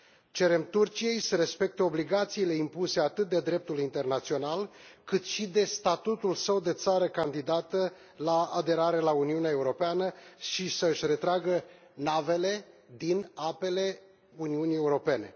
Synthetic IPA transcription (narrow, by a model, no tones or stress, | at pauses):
t͡ʃe̞ɾe̞mt̪urt͡ʃije̞jsəɾe̞spe̞k̚t̪eo̞bliɡat̪siːle̞impuse̞at̪ɨt̪̚d̪e̞d̪ɾe̞p̚t̪ulint̪e̞rnat̪sio̞nalkɨt̪ʃid̪e̞st̪at̪ut̪ulsəwd̪e̞t̪saɾəkand̪id̪at̪ə | laaːd̪e̞ɾaɾe̞launiuneae̞uɾo̞peanəʃisəɨʃʲre̞t̪ɾaɡə | nave̞le̞d̪inape̞le̞ | uniunie̞uɾo̞pe̞ne̞̰